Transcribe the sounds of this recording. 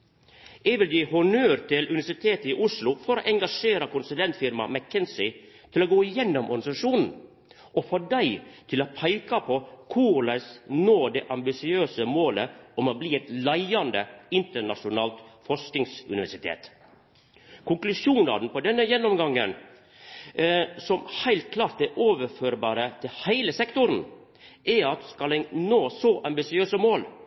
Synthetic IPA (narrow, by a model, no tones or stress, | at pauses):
ɛʋɪld̪ʉhʊnøːɾt̪ʰɪlʔʉnɪʋæʂɪt̪ʰeːt̪əɪʔʊslʊfɔɾo̰ːʔɛŋɡɑʂeːɾɑkʊnsʉlɛnt̪fɪɾmɑ̰mækʰːɛnsɪ | t̪ʰɪloːɡoːɪjɛnːɔmʔɔɾɡɑnɪsɑʂuːnn̩ | ʔɔfoːɖæɪt̪ʰɪlopʰæɪkɑpʰɔkʰuːləsnoːd̪ɛʔɑmbɪsɪøːsəmoːləɔmɔbliːɛɪt̪læɪɑnd̪əɪnt̪əɳɑʂʊnɑːlt̪fɔʂknɪŋsʉ̰nɪʋæʂɪt̪ʰḛːt̪ | kʰʊŋklʉʂuːnɑ̰ːd̪n̩pɔd̪ɛnːəjɛnːɔmɡɑŋːə̰n | sɔmhæɪlt̪̚kʰlɑːɾt̪ɛɾʔoːʋəɾføːɾbɑːɾət̪ʰɪlhæɪləsɛkt̪ʊɾn̩ | ʔɛɑt̪skɑlɛnoːsɔʔɑmbɪsɪøːsəmoːl